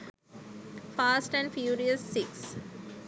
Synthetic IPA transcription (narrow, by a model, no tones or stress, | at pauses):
faːsʈæ̃ɳɖfjuːɾiəsːiks